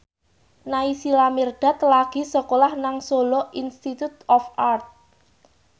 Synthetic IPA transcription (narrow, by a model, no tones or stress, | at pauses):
naisilamird̪̥a̤t̪laɡ̥i̤sɔkolahnaŋsolɔʔinst̪it̪ut̪ɔfart̪̚